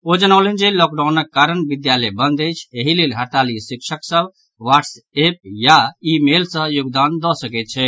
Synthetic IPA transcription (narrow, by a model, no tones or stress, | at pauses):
od͡ʒənəlɛnd͡ʒelɔk̚ɖawnəkːaɾənbid̪jalɛbənd̪əjt͡ʃʰeɦilelɦəɾt̪alisikʃʰəksəb | ʋaʈs | ep̚jaimelsə̃juɡd̪and̪ɔsəkɛt̪̚t͡ʃʰɛ